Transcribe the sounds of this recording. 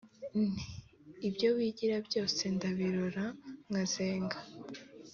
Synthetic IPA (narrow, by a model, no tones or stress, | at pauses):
nniːbjo̞βiɟiɾabɟo̞ːse̞ndaβiɾo̞ɾaŋaze̞ːŋɡa